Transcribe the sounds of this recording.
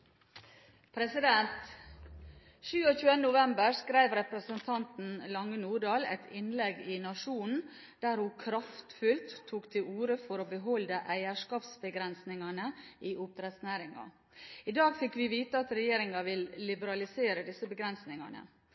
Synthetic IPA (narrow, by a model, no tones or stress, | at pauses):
pʰɾɛsɪd̪ɛnt̪ | ʃʉːɔçʉːənənʊʋɛmbəɾskɾæɪʋɾɛpɾəsənt̪ʰɑnt̪n̩lɑŋːənuːɖɑːlɛ̰t̪ʰɪnlɛɡɪnɑʂuːnn̩ | d̪̥æɾhʊkʰɾɑft̪fʉlt̪ʰːuːkt̪ʰɪluːɾəfɔɾoːbəɦɔld̪əʔæɪæʂkɑːpsbəɡɾɛnsnɪŋɑnəɪʔʊp̚t̪ɾɛt̪snæːɾɪŋɑ̰ | ɪd̪ɑːɡfɪkːʋɪʋiːt̪əɑt̪ɾɛjeːɾɪŋɑʋɪlːɪbəɾɑlɪseːɾəd̪ɪsəbəɡɾɛnsnɪŋɑ̰nə̰